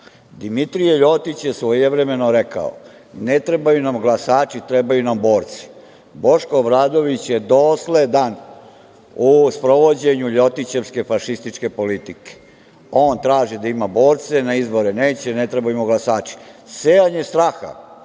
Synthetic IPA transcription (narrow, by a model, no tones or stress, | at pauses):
d̪imit̪ɾijeʎo̞t̪it͡ɕjesʋojeʋɾeme̞no̞ɾeka̰o̰ | net̪ɾe̞bajunamɡlasaːt͡ʃit̪ɾebajunambo̞ːɾt̪si̥ | bo̞ʃkoːʋɾaːd̪o̞ʋit͡ɕjed̪osled̪an | uspɾo̞ʋo̞d͡ʑe̞ɲuʎo̞t̪it͡ɕe̞ʋske̞faʃist̪it͡ʃke̞po̞lit̪ike̥ | o̞ːnt̪ɾaːʒid̪aimabo̞ːɾt̪senaizbo̞ɾene̞ːt͡ɕenet̪ɾebajumoɡlasaːt͡ʃi̥seaɲe̞st̪ɾaxa̰